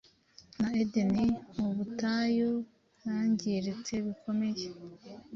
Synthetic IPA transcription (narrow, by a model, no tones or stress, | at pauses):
naedenimuβutajo | βjaːɲɟiɾet͡se̞βikʰo̞me̞je